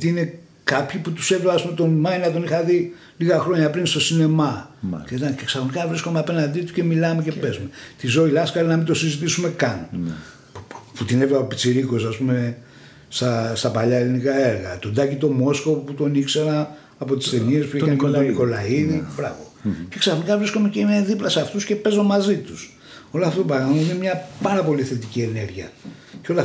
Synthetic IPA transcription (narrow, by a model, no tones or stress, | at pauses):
iine̞ | kɐpçiput̪u̥sevlevaɐspumet̪o̞nmɐjnnɐt̪o̞nixɐði | liɣɐxɾo̞ɲɐpɾinst̪o̞sine̞mɐeiɐceksɐxonikɐvɾisko̞meɐpe̞nɐnd̪it̪uce̞milɐme̞ce̞pezmet̪izo̞ilɐskɐɾinɐmint̪o̞sizit̪̬isume̞kɐn | put̪inevlebɐpopit͡siɾiko̞saspume̞ | st̪ɐst̪ɐpɐʎɐelinikɐe̞ɾɣɐt̪od̪ɐcit̪o̞mo̞sko̞put̪o̞nikse̞ɾɐː | po̞t̪i̥st̪enie̞spuikɐnikmt̪oniko̞lɐiðibɾɐvo̞ce̞ksɐθnikɐvɾiskomeceneðiplɐsɐft̪usce̞pe̞zo̞mɐzit̪us | o̞lɐft̪ot̪opɾɐɣɐmɐine̞mɲɐpɐɾɐpo̞liθe̞t̪icie̞ne̞ɾʝiɐceo̞lɐ